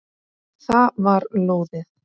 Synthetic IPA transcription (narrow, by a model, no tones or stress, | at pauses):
θavaɾloːwðɪθ